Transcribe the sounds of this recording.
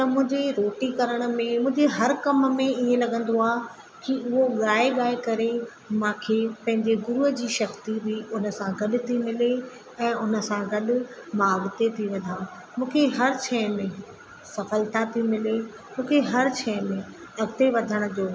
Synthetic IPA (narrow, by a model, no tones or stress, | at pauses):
t̪ɐmʊ̃ɦɪ̃ɲd͡ʑeɾoːʈikɐɾəɽ̃ə̆mẽmʊ̃ɦɪ̃ɲd͡ʑeɦɐɾkɐmmẽiẽlɐɠə̃n̆d̪oaː | kiʊɦoɠaːeɠaːekɐɾe | mãːkʰeːpɐ̃ɦɪ̃ɲd͡ʑeɡʊɾuɦəd͡ʑiːʃɐxt̪ibɪʊnə̆sãɡɐɗʊ̆t̪ʰimɪle | ɛ̃ːʊnə̆sãɡɐɗʊ̆maːɡt̪et̪ʰiʋɐd̪ʱãː | mũːkʰeɦɐɾt͡ɕʰɛ̃ːmẽ | sɐfəlt̪ʰat̪ʰimɪle | mũːkʰeɦɐɾt͡ɕʰɛ̃ːjmẽ | ɐɡt̪eʋɐd̪ʱəɽ̃ʊ̆d͡ʑoː